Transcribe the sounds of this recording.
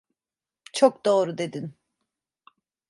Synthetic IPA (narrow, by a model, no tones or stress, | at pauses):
t͡ʃʰokd̪o̞ːɾud̪e̞d̪in